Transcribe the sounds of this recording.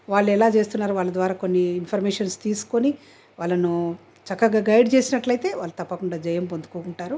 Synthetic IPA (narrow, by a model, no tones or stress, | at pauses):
ʋaːɭːuɛlaːt͡ʃe̞ːst̪unːaːɾuʋaːɭːɐd̪ʋaːɾaːko̞nːiːnpʰɐɾmeːʂɐnst̪iːsu̥koni | ʋaːɭːɐnu | t͡ʃɐkːɐɡaːɡɐjɖt͡ʃe̞ːsinɐʈlɐjt̪e̞ːʋaːɭlːɐt̪ɐpːɐkuɳɖaːd͡ʒɐjɐmpond̪u̥koːkuɳʈaːɾu